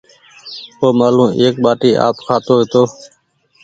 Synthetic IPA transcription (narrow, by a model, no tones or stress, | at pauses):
oːmaːlũːʔeːkɓaːʈiːʔa̰ːpkʰaːt̪oːɦeːt̪oː